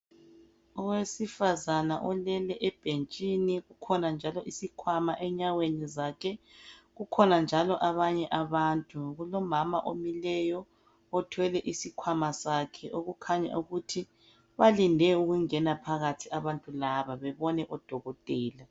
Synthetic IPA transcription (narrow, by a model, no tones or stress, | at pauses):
ɔwesifazana̰ʔɔlɛlɛʔɛb̥ʱent͡ʃʼiniɣukʰɔnand͡ʒʱalɔʔisikʰwamaʔɛɲawenizaːkʰɛɣukʰɔnand͡ʒʱalɔʔaβaɲɛʔaβaːntʼuɣulɔmamaʔomilɛjɔ | ɔtʰwɛlɛʔisikʰwamasaːkʰɛʔoɣukʰaɲa̰uɣutʰi | βalindʱɛuɣuŋɛnapʰaɣatʰiaβantʼulaβaβɛβɔnɛʔɔd̥ʱɔɣɔtʼɛːla